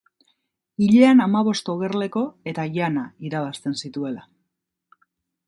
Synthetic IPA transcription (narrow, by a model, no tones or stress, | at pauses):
iʎeanamaβ̞o̞st̪o̞ɣe̞rle̞ko̞e̞t̪aʝanaiɾaβ̞ast̪e̞nsit̪ue̞la